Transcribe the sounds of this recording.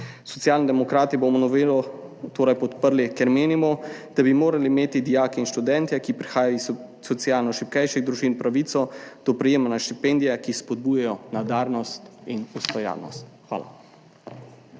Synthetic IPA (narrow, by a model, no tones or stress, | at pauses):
sɔ̥t̪sjaːlnid̪ɛmɔkɾaːt̪ibomɔnɔʋelɔ | t̪oːɾajpɔt̪pəɾlikɛɾmeːnimɔd̪̥abimoːɾaliːmeːt̪id̪ijaːkɛinʃt̪ud̪ɛnt̪jɛkipɾixaːjaɔis | sɔt̪sijaːlnɔʃip̚kɛjʃiɣd̪ɾuʒinpɾaʋit̪sɔd̪̥ɔpɾɛjeːmanaʃt̪ipend̪ijakispɔd̪̚bujajɔnad̪aːɾnɔst̪inust̪ɔja̰ɾnɔ̰st̪xʋa̰ːla̰